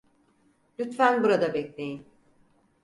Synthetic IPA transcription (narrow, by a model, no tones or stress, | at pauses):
lʲyt̪fænbuɾad̪abɛclʲe̞jin